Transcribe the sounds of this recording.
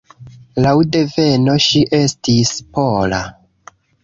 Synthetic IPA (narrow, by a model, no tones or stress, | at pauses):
lawde̞ve̞no̞ʃiʔe̞stispo̞la̰